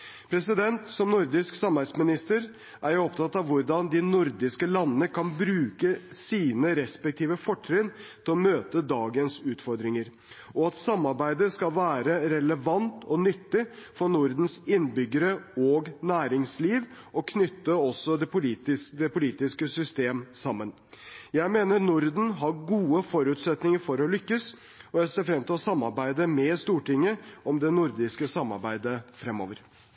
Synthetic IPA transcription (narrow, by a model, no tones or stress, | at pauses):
pʰɾɛsɪd̪ɛnt̪sɔmnʊɾd̪ɪsksɑmæɪd̪smɪnɪst̪əɾ | ʔæɾjʊɔpt̪ʰɑt̪ːɑʋʋʊɾɖɑnd̪ɪnʊɾd̪ɪskəlɑnːənəkʰɑnbɾʉːkəsiːnəɾɛspɛk̚t̪ʰiːʋəfɔʈʰːɾɪnt̪ʰɪlɔmøːt̪əd̪ɑːɡənsʉːt̪fɔɾd̪ɾɪŋəɾ | ʔɔɑt̪sɑmːɑɾbæɪd̪əskɑlʋæːɾəɾɛləʋɑnt̪ʰɔnʏt̪ːɪfɔɾnʊɾd̪n̩sɪnːbʏɡːəɾəɔːɡnæːɾɪŋsliːʋ | ɔkʰnʏt̪ːəɔsːɔd̪ɛpʊliːt̪ɪsd̪ɛpʊliːt̪ɪskəsʏst̪eːmsɑmːən | jæɪmeːnəɾnʊɾd̪n̩ɦɑɾɡuːəfɔɾʉːt̪sɛt̪nɪŋəɾfɔɾɔlʏkːəs | ɔjæɪseːɾfɾɛmt̪ʰɪlɔsɑmːɑɾbæɪd̪əmɛst̪uːʈɪŋːəʔɔmd̪ɛnʊɾd̪ɪskəsɑmːɑ̰ɾbæɪd̪əfɾɛmːo̰ːʋəɾ